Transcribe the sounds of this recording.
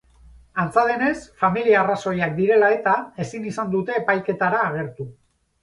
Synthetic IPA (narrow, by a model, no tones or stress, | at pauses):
ant͡saðe̞ne̞sfamiliaːraso̞jak̚d̪iɾe̞lae̞t̪ae̞sinisand̪ut̪e̞ːpajke̞t̪aɾaːɣ̞e̞ɾt̪u